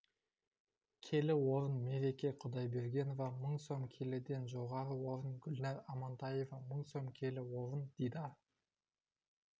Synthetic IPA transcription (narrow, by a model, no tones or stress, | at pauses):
kʲʰe̞lɪwo̞ɾənme̞ɾe̞kʲe̞qʰʊd̪ɑjbe̞ɾɡʲe̞novɑməɴso̞mkʲʰe̞led̪e̞nʒo̞ʁɑɾəwo̞ɾənɡʲʊlnɑɾɑmɑnt̪ɑje̞vɑməɴso̞mkʲʰe̞lɪwo̞ɾənd̪̥ijd̪ɑ